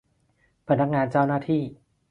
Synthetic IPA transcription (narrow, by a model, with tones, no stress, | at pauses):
pʰa˧˥na˦˥k̚ŋaː˧nt͡ɕaː˥˩wnaː˥˩t̪ʰiː˥˩